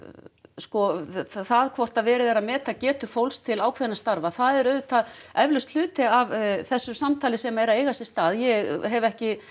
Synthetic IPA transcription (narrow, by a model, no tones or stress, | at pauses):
skɔθaðkʰvɔr̥t̪aðvɛːɾɪvɛːɾamɛːt̪acɛːt̪ʏfowlst̪ʰɪlaːwkʰvɛnast̪aɾvaθaðɛɾœɥvʏt̪ʰaðɛvlʏst̪l̥ʏːt̪ɪavθɛsːʏsamt̪ʰaːlɪsɛmaɛɾaðeːjɣasɪ̥st̪aːðjɛɣɦɛvɛhcɪ